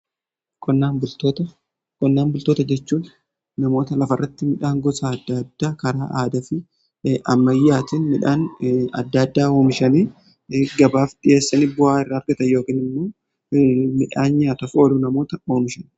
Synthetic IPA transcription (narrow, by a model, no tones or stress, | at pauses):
kʰɔnːaːnbʊlt̪ot̪ɐ | kɔnːaːnbʊlt̪oːt̪ɐd͡ʒɛt͡ʃːuːnː | ɐmo̞ːt̪ɐlɐfɐrːɐt̪ːɪmɪᶑaːŋɡɔsaːɐd̪ːɐd̪ːaːkɐɾaːʔaːd̪ɐfɪ | ɐmːɐjːaːt̪ɪnmɪᶑaːnɐ̰d̪ːad̪ːaːoːmɪʃɐniː | ɡɐbaːfᶑɪje̞ːsːɐnibʊhaːɪrːaːɐɾɡɐt̪ɐjo̞ːkiːnɪmmoː | mɪᶑaːnɲaːt̪ɐfo̞ːlunɐmoːt̪ɐo̞ːmɪʃɐn